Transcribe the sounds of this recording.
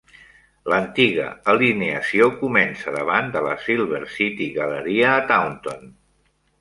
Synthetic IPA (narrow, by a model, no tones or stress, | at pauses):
lənt̪iɣ̞ə̰əlineəsiokumɛnsəðəβand̪ələ̰silˠβ̞əɾsit̪iɣələɾiəːt̪awnt̪on